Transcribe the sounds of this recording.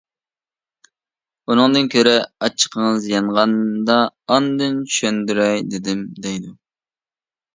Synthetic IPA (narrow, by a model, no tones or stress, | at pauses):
unɨŋd̪ɨnkʲʰøɾɪɑt͡ʃʰːə̥qʰəŋəzjɑɴʁɑnd̪ɑːnd̪ɨnt͡ʃʰyʃønd̪yɾɛjd̪ɪd̪ɪmd̪ɛjd̪u